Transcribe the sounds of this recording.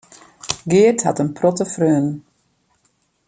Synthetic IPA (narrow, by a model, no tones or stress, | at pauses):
ɡɪətha̰tənpʰrɔtəfrøːn